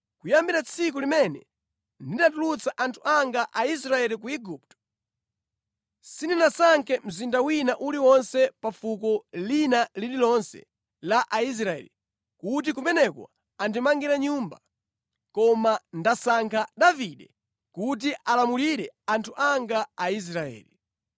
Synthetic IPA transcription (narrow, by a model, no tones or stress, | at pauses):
kujambiɾat͡sʰikulimɛnɛ̰ | ndidatulut͡saʔantʰuaŋɡaʔais̬ɾaɛlikuiɡup̚tɔ̥ | sininasaŋkʰɛm̩zindawinaʔuliwɔnsɛpafukɔlinalililɔnsɛ̰ | laʔais̬ɾaɛ̰li | kut̬ikumɛnɛkwa̰ | andimaŋɡiɾaɲuːmba | kɔmandasaŋkʰaɗaviɗɛ | kut̬iʔalamuliɾɛantʰuʔaŋɡaais̬ɾaɛ̰ːli